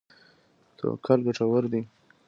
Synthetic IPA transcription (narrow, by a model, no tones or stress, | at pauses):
t̪ʰo̰kʰalɡaʈ͡ʂawəɾd̪i